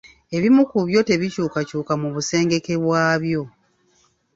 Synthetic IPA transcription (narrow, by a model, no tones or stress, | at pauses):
e̞βimukuβjo̞te̞βicuːkacuːkamuβuse̞ːŋɡe̞ke̞βwaːβjo̞